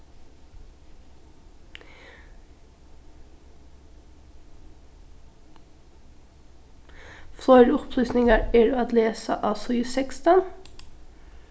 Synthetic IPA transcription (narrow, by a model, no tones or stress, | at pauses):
fɾɔʏdʊpʰlyːsnɪŋəɹeːɖʉːɑt̪leːsə̰ʔɑːsɔɪsɛkst̪ɑn